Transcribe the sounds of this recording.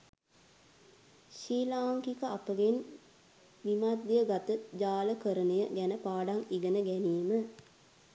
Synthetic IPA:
ʃiːlaːŋkikəapəɡen | ʋimad̪ːijəɡat̪əd͡ʒaːləkəɾənəjəɡænəpaːɖaŋiɡənəɡæniːmə

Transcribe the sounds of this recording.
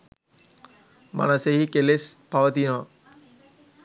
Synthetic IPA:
ma̰nɐseɦikelespaʋət̪inɔʋɐ

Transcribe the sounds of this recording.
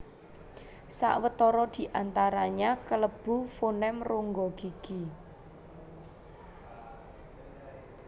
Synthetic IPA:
sa̰ʔwət̪ɔɾɔd̪̥i̤ʔant̪aɾaɲakələb̥ufonɛmroŋɡɔɡ̥iɡ̥i

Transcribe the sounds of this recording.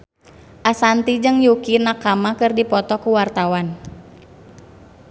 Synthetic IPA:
ʔasant̪id͡ʒɨŋjukinakamakɨrdipɔt̪ɔkuwart̪awan

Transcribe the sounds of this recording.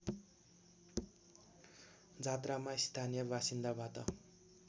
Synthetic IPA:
d͡zʱat̪ramaist̪ʰanijʌbasind̪abat̪ʌ

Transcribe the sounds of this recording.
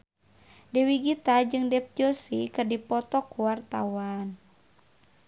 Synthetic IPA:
dɛwiɡit̪ad͡ʒɨŋdɛp̚d͡ʒɔsikɨrdipɔt̪ɔkuwart̪awan

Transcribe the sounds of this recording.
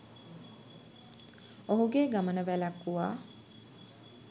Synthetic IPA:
oɦuɡeːɡamənəʋælakːuʋaː

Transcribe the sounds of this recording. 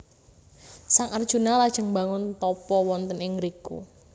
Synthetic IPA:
saŋard̥ʒ̥ṳnalad̥ʒ̥əŋba̤ŋʊnt̪ɔpɔwɔnt̪ənɪŋɾikṵ

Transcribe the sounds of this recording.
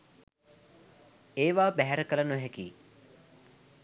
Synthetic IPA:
eːʋaːbæɦæɾəkələnoɦɛkiː

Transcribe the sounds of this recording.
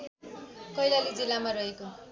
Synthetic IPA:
kʌjlalid͡zilːamaɾʌɦeko

